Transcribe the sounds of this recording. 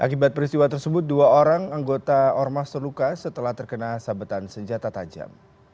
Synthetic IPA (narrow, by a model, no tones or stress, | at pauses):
ʔa̰kibat̪̚pəɾist̪iwat̪ərsəbʊt̪̚duaoɾaŋaŋɡot̪aɔrmast̪ərlukasət̪əlaht̪ərkənasabət̪ansəɲd͡ʒat̪at̪ad͡ʒa̰m